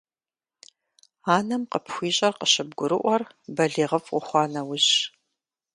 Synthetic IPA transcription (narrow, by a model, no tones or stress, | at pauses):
aːnɐmqəpʰxʷiːɕʼɐrqəɕɪb̚ɡʷʊɾɨʔʷɔr | bɐɮiːʁɐfqʷʊχʷɑːnɐwʊʑ